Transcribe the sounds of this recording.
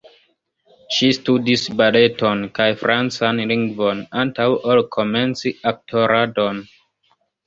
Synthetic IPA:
ʃistudisbaletonkajfɾant͡sanliŋɡvonantawʔolkʰomensiʔap̚tʰoɾadon

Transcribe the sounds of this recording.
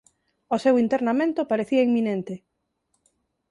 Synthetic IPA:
osewint̪eɾnamẽnt̪opaɾeθiɐiŋmːĩnẽnt̪e

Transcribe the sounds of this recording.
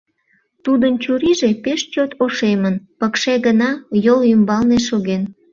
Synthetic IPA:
t̪ud̪ənt͡ɕuɾiʒepeʃt͡ɕot̪ʰoʃemənpəkʃeɣənɑjolymbɑlneʃoɣen

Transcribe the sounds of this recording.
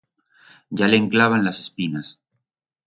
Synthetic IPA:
ɟ͡ʝaleːŋklaβanlasespinas

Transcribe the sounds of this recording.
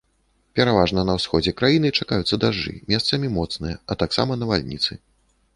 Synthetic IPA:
pʲɛɾavaʐnɐnɐwsxɔd͡zʲɛkɾajinɨt͡ʂakajut̪sːɐd̪aʐːɨ̰mʲɛst̪sɐmʲimɔt̪snɨjɐʔɐt̪aksa̰mɐnɐvalʲnʲḭt̪sɨ

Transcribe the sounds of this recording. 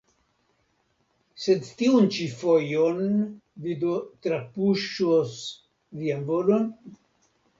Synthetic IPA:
sed̪t̪iunt͡ʃifojonvid̪ot̪ɾapuʃos | vianvolon

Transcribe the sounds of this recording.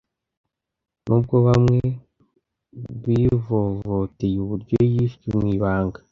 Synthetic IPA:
nʔub̚ɡoβamŋe | ɡwiːvovotejuβuɾɟojiftumwiːβaːŋɡa

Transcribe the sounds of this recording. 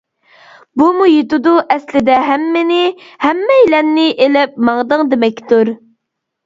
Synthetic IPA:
bumujet̪ud̪uʔɛslɪd̪ɛɦɛmːɪnɪhɛmːɛilɛnːɪʔelɪp̚mɑŋd̪ɨŋd̪emɛkʲːt̪uɾ

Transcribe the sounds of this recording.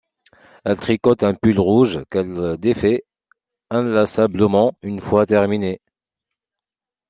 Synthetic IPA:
ɛlt̪χikɔt̪ɛ̃pylʁuʒkɛld̪efɛ | ɛ̃lasabləmɑ̃ynfwat̪ɛʁmine

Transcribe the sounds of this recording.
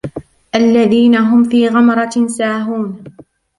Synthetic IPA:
ʔalːaðiːnaɦʊmfiːɣɑmɾˤɑsaːɦuːn

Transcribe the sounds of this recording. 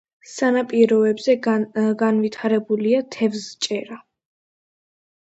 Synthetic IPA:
sanapʼiɾɔɛbzɛɡanvit̪ʰaɾɛbuliat̪ʰɛvst͡ʃʼɛɾa

